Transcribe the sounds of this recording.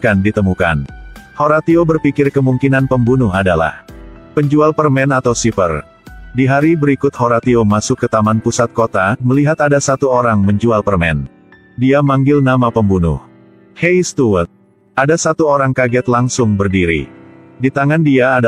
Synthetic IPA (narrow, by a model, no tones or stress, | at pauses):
kandit̪əmukanhoɾat̪iobərpikɪrkəmuŋkinanpəmbunʊɦadala̰hpəɲd͡ʒualpərmɛnat̪awsipə̰r | diɦaɾibəɾikʊt̪̚hoɾat̪iomasʊkːət̪amanpusat̪̚kot̪aməliɦat̪adasat̪uoɾaŋməɲd͡ʒualpərmɛ̰n | diamaŋɡɪlnamapəmbunʊ̰h | hɛjst̪uwət̪̚ | adasat̪uoɾaŋkaɡɛt̪laŋsʊŋbərdiɾḭdit̪aŋandiaː